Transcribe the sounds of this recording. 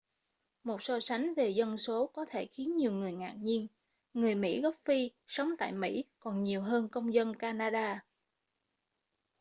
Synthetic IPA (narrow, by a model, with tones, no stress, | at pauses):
mo˨˩t̚sɔ˧sa˨˦jŋ̟ve˨˩zə˧nso˨˦kɔ˨˦t̪ʰe˧˩xi˨˦ənɲi˨˩əwŋɨ˨˩əjŋa̰ː˨˩k̚ɲi˧ən | ŋɨ˨˩əjmḭ˧˥ɣɔ˦˥p̚fi˧sə˨˦wŋ͡mt̪a̰ː˧˨jmḭ˧˥kɔ˨˩nɲi˨˩əwɦəː˧nkə˧wŋ͡mzə˧nkaː˧naː˧ɗaː˧